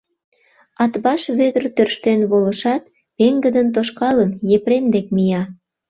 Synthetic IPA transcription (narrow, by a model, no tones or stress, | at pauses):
ɑt̪βɑʃβød̪ərt̪ørʃt̪enβolə̆ʃɑt̪ | peŋɡəd̪ənt̪̬oʃkɑlənjepɾend̪ek̚mijɑ